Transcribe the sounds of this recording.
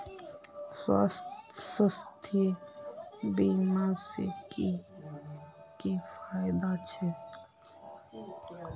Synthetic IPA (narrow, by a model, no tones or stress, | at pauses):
swa̰ssəst̪ʰjə | bimasḛki | kifʰajd̪at͡ʃʰɛ